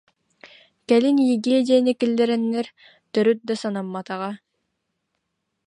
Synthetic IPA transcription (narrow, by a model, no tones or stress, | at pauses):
kɛlinjiɡiɛd̪ʲianikilːɛɾɛnːɛɾ | t̪œɾyt̪̚d̪asanamːat̪aʁa